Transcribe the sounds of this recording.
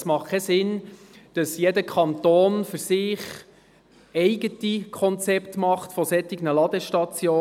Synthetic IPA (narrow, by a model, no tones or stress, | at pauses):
smɑχkʰːɛsɪn | d̥ɑsjɛdəkʰɑnt̪oːnfɵɾsɪːχ | ɛɪɡ̥ətikʰɔnt͡sɛptmɑχtfɔsɛtɪɡnəlɑd̪ɛʃtɑt͡sjoː